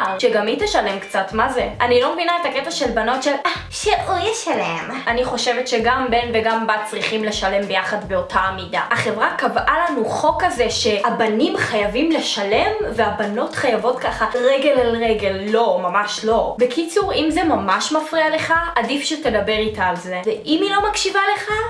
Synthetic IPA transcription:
ʃeɡamitaʃale̞mkt͡satmazeʔanilo̞mevinaetaketaʃe̞lbano̞tʃela | ʃeʔujaʃaleemʔaniχo̞ʃevetʃeɡambe̞nveɡambat̚t͡sʁiχimleʃale̞mbejaχadbe̞o̞tʰamidaaχe̞vʁakavʔalanuχo̞kazeʃe̞abanimχajavimle̞ʃale̞mveabano̞tχajavo̞tkaχaʁeɡe̞lalʁeɡe̞lːo̞mamaʃlo̞bekit͡suʁimzemamaʃmafʁiale̞χaʔadifʃetedabe̞ʁitaːlzeveʔimilo̞makʃivale̞χa

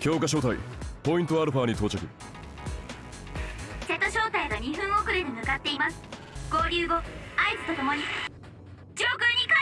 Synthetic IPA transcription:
kʲo̞ːkaɕ̬o̞ːt̪aḭpo̞ĩnt̪o̞aɾɯ̟ɸaːɲ̟it̪o̞ːt͡ɕakɯ̟̰ | se̞t̪ːo̞ɕo̞ːt̪aiɡaɲ̟iɸɯ̟̃ɰ̃o̞kɯ̟ɾɯɲʲimɯ̟kat̪ːe̞imasɨ̥ | ɡ̥o̞ːɾʲɨːɡo̞aizɨ̥t̪o̞t̪omo̞ɲ̟i | d͡ʑoːkɯɲʲika

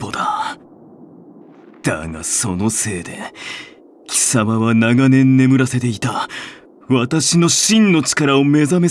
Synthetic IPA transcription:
pod̪a | d̪̥a̰ɡa̰so̞no̞se̞ːd̪e̞̰ | kʲʰi̥samaβanaɡanẽ̞nːe̞mɯ̟ɾase̞t̪e̞it̪a | βat̪aɕino̞ɕĩnːo̞t͡ɕi̥kaɾao̞me̞zame̞

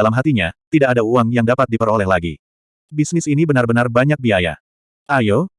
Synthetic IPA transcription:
lamɦat̪iɲat̪idakadauaŋjaŋdapat̪̚dipəɾolɛhlaɡḭ | bisnɪsinibənarbənarbaɲak̚biaja̰ | ʔajo

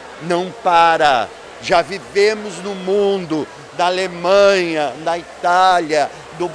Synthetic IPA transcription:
nɐ̃w̃paɾɐ | ʒavivẽmʊznʊmũnd̪ʊ | d̪ɐalemɐ̃ɲɐd̪ɐit̪aljɐ | d̪ʊ

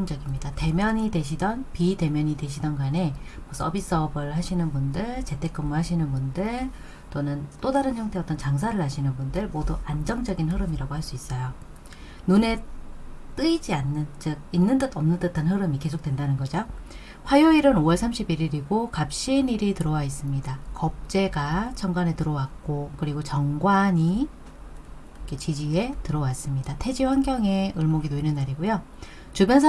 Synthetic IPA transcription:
d͡ʑʌɡimɲidate̞mjʌɲide̞ɕʰidʌnpide̞mjʌɲide̞ɕ̬ʰidʌnɡane̞mʌs͈ʌbis͈ʌbɯɭɦaɕʰinɯnbundɯɭt͡ɕe̞tʰe̞k͈ʌmuɭɦaɕʰinɯnbundɯɭ | t͈onɯnt͈odaɾɯnçjʌŋtʰe̞ʌt͈ʌnt͡ɕaŋs̬ʰaɾɯɭhaɕʰinɯnbundɯɭmoduand͡ʑʌŋd͡ʑʌɡinɦɯɾɯmiɾaɡohaɭs͈uis͈ʌjo | nune̞ | t͈ɯid͡ʑianːɯnd͡ʑɯk̚inːɯntɯtʌmnɯntɯtʰanɦɯɾɯmike̞sʰok̚twendanɯnɡʌd͡ʑo | ɸwajoiɾɯnowʌɭsʰamɕʰibiɾiɾiɡokap̚ɕ͈iːniɾitɯɾʌwais͈ɯmɲidakʌp̚t͡ɕ͈e̞ɡat͡ɕʰʌŋɡwanetɯɾʌwak̚k͈okɯɾiɡot͡ɕʌŋɡwaɲi | kʰet͡ɕid͡ʑie̞tɯɾʌwas͈ɯmɲidatʰe̞d͡ʑiɸwaŋɡjʌŋe̞ɯɭmoɡintoinɯnːaɾiɡujo | t͡ɕubjʌnsʰ

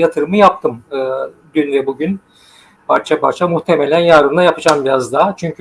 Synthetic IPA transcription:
jat̪ʰɯɾɯmɯjap̚t̪ʰɯmɯː | ɟ̪ynvɛbuɟyn | pʰaɾt͡ʃʰapaɾt͡ʃʰamuxt̪ʰemelʲænjaːɾɯmd̪ajapɯd͡ʒaːmbiɾazd̪aːt͡ʃʰyɲcʰy

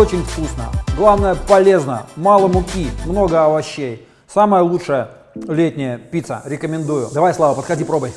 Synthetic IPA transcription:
ot͡ɕɪnʲfkusnə̰ɡlˠavnəjəpɐlʲe̞znə̰malˠəmʊkʲimno̞ɡəɐvɐɕːej | saməjəlˠutʂəjə | lʲet̚ʲnʲɪjəpʲit̪sə̰ɾʲɪkəmʲɪnd̪ujʊd̪ɐvajslˠavəpət̪xɐdʲipɾo̞bəjʲ

